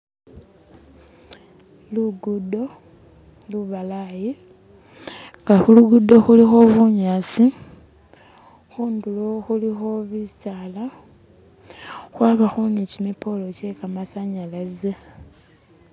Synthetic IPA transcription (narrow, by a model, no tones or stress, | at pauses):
luɡudo̞ | luβalaji | ŋɡaxuluɡudo̞xulixo̞βuɲaːsi | xuːnduloxulixo̞βisaːla | xwaːβaxunecimipo̞lo̞cekamasaɲalaze